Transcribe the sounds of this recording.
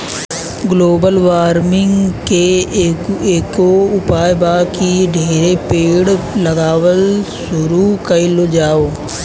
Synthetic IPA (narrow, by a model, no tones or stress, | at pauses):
ɡloːbəlʋaːɾmɪ̃ŋɡke | eːkoʊpaːjbaːkiɖʱeːɾepeːɽləɡaːʋəlsʊɾuːkəilod͡ʒaːoː